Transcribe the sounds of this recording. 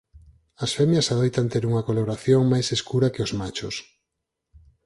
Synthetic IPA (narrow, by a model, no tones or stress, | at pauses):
ɐsfɛmjɐsaðojt̪ant̪eɾuŋɐkoloɾaθjoŋmajseskuɾɐkɪozmat͡ʃʊs